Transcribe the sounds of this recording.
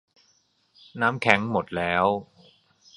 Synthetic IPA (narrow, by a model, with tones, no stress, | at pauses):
naː˦˥mkʰɛ˦˥ŋmo˨˩t̪̚lɛː˦˥w